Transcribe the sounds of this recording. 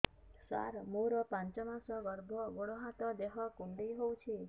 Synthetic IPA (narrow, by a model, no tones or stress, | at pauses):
sa̰ɾmoɾɔpãnt͡ʃɔmasɔɡɔɾbʱɔɡoɽ̃ɔɦat̪ɔd̪eɦɔkuɳɖejɦowt͡ʃʰi